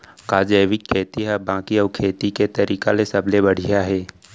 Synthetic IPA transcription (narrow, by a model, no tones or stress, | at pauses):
kaːd͡ʒəːʋɪkʰːeːt̪iɦɛbãːkiɔːkʰeːt̪iket̪ɐɾiːkalesɐblebəɽ̤ijaɦɛː